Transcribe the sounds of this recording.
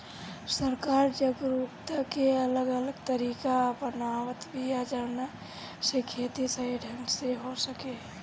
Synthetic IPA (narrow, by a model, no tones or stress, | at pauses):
səɾkaːɾd͡ʒəɡɾupt̪əkeələɡələɡt̪əɾiːkapənawət̪bʱijad͡ʒəɾna | sekʰet̪isəiɖʱəŋseɦosəke